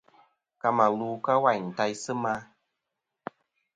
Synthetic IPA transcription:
ka˧ma˨luː˧˦ka˦wa˨jn̩˨ta˧jsɨ˦ma˧˦

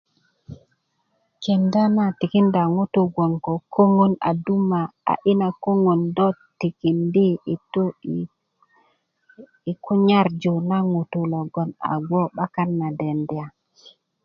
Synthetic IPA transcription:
ke˨nda˦na˨ti˨ki˦nda˨ŋu˦tu˨ɡwo˨ŋko˨kʰo˦ŋo˦na̰˨du˦ma˨a̰˨ʔi˦na˨ko˦ŋo˨ndɔ˦ti˨ki˨ndi˦i˨to˦ | i˨ku˦ɲa˦ɾd͡ʒo˨na˦ŋu˨tu˨lo˨ɡo˨na̰˨ɡwo˦ɓa˦ka˦nːa˨de˨nde˨a˨

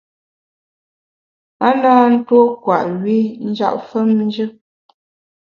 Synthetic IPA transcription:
a˦naː˦n̩˦two˦kwa̰˨ʔɥi˦n̩˦d͡ʒa̰˦˨ʔfə˦mn̩˦d͡ʒə˦

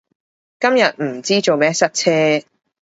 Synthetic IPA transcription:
kɐ˥mjɐ˨t̚m̩˨˩t͡siː˥t͡so˨wmɛː˦˥sɐ˥t̚t͡sʰɛː˥

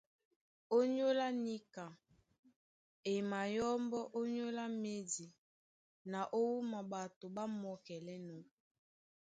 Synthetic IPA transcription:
o˦ɲo˦la˦ni˦ka˨ | e˨ma˨jɔ˦mbɔ˦ʔo˦ɲo˦la˦me˦di˨ | na˨ʔo˦wu˦ma˨ba˨to˨ba˦mɔ˨kɛ˨lɛ˦nɔ˨˦

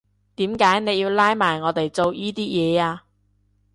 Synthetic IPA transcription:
t̪iː˨˥mkaː˨˥jne˨˧jiː˧wlaː˥jmaː˨˩jŋɔː˨˧t̪e˨jt͡so˨wjiː˥t̪iː˥jɛː˨˧aː˧

